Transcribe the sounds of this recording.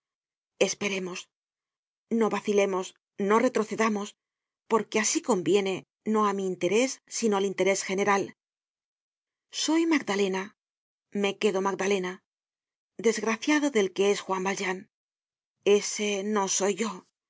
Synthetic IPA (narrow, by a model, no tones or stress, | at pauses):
e̞spe̞ɾe̞mo̞s | no̞βaθile̞mo̞s | no̞re̞t̪ɾo̞θe̞ðamo̞s | po̞ɾke̞asiko̞mbje̞ne̞ | no̞amiːnt̪e̞ɾe̞sːino̞alint̪e̞ɾe̞sxe̞ne̞ɾal | so̞jmaɡðale̞na | me̞ke̞ðo̞maɡd̪ale̞na | d̪e̞zɣɾaθjaðo̞ðe̞lke̞e̞sxwambalʒan | e̞se̞no̞so̞jʝo̞